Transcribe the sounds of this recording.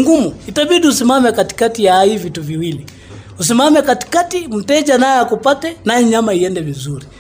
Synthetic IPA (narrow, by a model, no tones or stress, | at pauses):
ŋɡumuitaɓiɗiusimamɛkati̥katijaivituviwili | us̬imamɛkati̥katim̩tɛʄanajɛakupatɛnajɛɲamaiɛndɛvizuɾi